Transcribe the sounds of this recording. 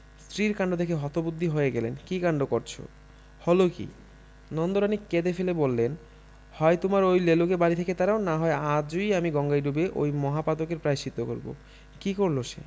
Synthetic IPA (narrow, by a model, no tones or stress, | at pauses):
st̪ɾiɾkaɳɖod̪ekʰeɦɔt̪obud̪ʱːiɦoeɡɛlenkikaɳɖokoɾt͡ɕʰo̰ | hɔlokḭ | nɔnd̪oɾaniked̪efelebolːen | hɔet̪omaɾojlelokebaɾit̪ʰeket̪aɾaonaɦɔead͡ʑojamiɡɔŋɡajɖubeʔo̰jmɔɦapad̪okeɾpɾajʃit̪ːoko̰ɾbo̰ | kikoɾloʃḛ